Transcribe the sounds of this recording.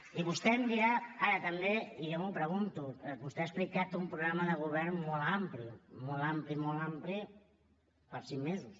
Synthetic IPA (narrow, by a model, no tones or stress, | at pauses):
iβust̪ɛmbiaaɾɐt̪ambeiʎemupɾəɣunt̪ubust̪easplikat̪umpɾuɣɾamaðəɣ̞uβɛɾmmolˠamplimolamplimolampli | paɾsiŋmezus